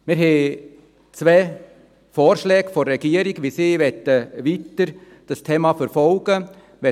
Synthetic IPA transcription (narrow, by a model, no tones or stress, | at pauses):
mɪɾɦɛ | t͡svɛː | fɔːɾʃlɛːɡfɔrːɛɡ̥iəɾɪɡʋisiːvɛt̪əʋitəɾ | d̥ɑstʰeːmafəɾfɔlɡ̥ə | vɛ